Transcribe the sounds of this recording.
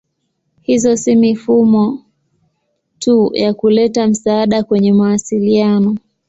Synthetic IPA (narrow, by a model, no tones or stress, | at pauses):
hizɔsimifumɔ | tujakulɛtam̩saːɗakwɛɲɛmawasilianɔ